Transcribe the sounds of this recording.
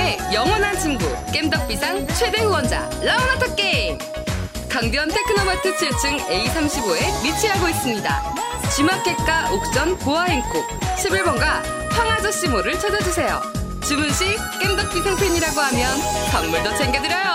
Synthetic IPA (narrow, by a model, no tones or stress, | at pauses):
ejʌŋwʌnɦant͡ɕinɡuk͈e̞mdʌk̚p͈isʰaŋt͡ɕʰwe̞de̞huwʌnd͡ʑa̰ | launatʰʌk͈eiŋ | kaŋbjʌnsʰekʰɯnʌbatʰɯt͡ɕʰiɭt͡ɕ͈ɯŋe̞isʰamɕʰiboe̞mit͡ɕʰiɦaɡois͈ɯmɲida̰ | t͡ɕimak̚k͈e̞k͈aʔok̚t͡ɕ͈ʌnkoaɦeŋk͈ok̚ɕʰibiɭbʌnɡa | pʰwaŋɦad͡ʑʌɕ͈imoɾɯɭt͡ɕʰʌd͡ʑʌd͡ʑusʰe̞jo̰ | t͡ɕɯmɯnɕ͈ʰi | k͈e̞mdʌk̚p͈isʰaŋpʰeɲiɾaɡoɦamjʌn | paŋːuɭdot͡ɕʰeŋɡedɯɾjʌjo